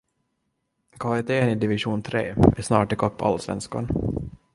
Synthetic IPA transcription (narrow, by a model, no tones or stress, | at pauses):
kʰɑːɪt̪ʰeːnɪd̪ɪvɪʂuːnt̪ʰɾḛːɛʂnɑ̰ːʈɪkʰɔpːɔa̰lsvɛ̰nska̰n